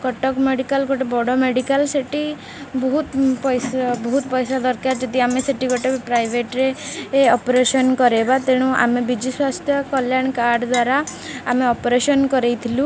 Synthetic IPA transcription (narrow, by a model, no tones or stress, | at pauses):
kɔʈɔkmeɽikalkɔʈɔbɔɽɔmeɖikalseʈi | bɔɦut̪pɔjsbɔɦut̪pɔjsad̪ɔɾkaɾd͡ʒɔd̪iameseʈikɔʈɔkpɾajbʱeʈɾeɔpɾesɔnkɔɾebat̪eɽ̃ũʔa̰mebid͡ʒiswast̪ʰjɔkɔljaɳ̃kaɾɖd̪waɾaːmeɔpɾesɔnkɔɾejt̪ʰilũ